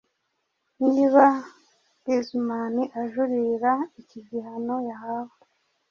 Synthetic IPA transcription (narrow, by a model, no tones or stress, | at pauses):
niːβa | ezumaniʔaʒuɾiɾaiciɟihano̞jahawa